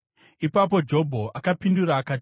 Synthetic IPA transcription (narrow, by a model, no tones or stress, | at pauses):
ipap̬o̞d͡ʒo̞bʱo̞ʔakapinduɾaːkaːt